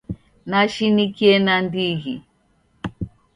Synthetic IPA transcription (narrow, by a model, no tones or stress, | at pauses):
naʃinikiɛnandiɣi